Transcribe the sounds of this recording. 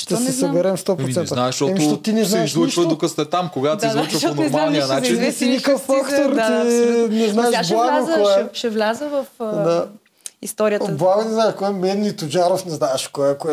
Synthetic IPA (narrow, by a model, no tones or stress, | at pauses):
ʃt̪ɛsɛsɐbɛɾɛmst̪ɔpɾot̪ɛnənaɛʃɔɛʃt̪ot̪inɛznɛʃzlˠut͡ʃvɐd̪okəst̪ɛt̪amkoɡaizut͡ʃənɛɾmalˠniɐnat͡ʃɛsinikəfːakt̪oɾt̪inɛznaɛʃblˠaɡokɔɛʃɛvlʲazəvɐfd̪a | ist̪ɔɾiəblˠaɡonɛznaɛʃkɔɛmɛd̪nit̪od͡ʒaɾofnɛznaɛʃkɔɛkoɛ